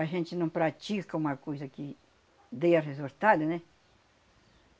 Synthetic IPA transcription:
aʒẽnt͡ʃ̪inũpɾat͡ʃ̪ikkaũmakojsaki | d̪ejarezoɾt̪ad̪enẽ

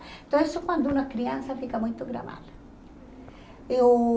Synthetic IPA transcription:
ẽnt̪ɐ̃w̃esʊkwɐ̃nd̪ʊũnɐkɾiɐ̃nsɐfikɐmũj̃t̪ʊɡɾa̰ma̰lɐ | ew

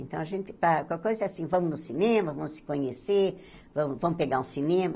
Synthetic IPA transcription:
ḛ̃nt̪ɐ̃w̃aʒẽnt̪ɪ̥pɾakwawkojzɐɛasĩvɐ̃mʊnʊsinẽmɐvɐ̃m̃ʊsɪ̥kõɲeseɾ | vɐ̃mʊvɐ̃mʊpeɡaɾũsinẽmɐ

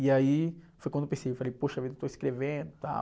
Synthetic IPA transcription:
iaifojkɐ̃d̪oʊpẽsejewfalejpoʃɐavid̪ɐewt̪oiskɾevẽnd̪ʊt̪a̰

